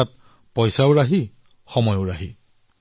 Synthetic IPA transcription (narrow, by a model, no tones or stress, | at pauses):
at̚ | pɔjsaoɹaɦi | xɔmɔjoɹaɦi